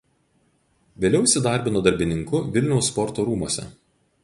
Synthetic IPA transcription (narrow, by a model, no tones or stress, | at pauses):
ʋʲeːlʲɛʊʃʲsʲɪd̪ɑˑɾʲbʲɪnoːd̪ɐɾʲbʲɪnʲɪŋkʊʋʲɪlʲnʲɛʊsːpɔɾt̪oːɾuːmoːsʲɛ̰